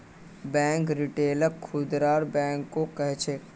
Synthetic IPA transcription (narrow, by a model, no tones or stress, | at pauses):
bɛ̃ːŋkɾiʈeːləɾkʰud̪ɾaːɾbɛ̃ːŋkːokɛɦt͡ʃe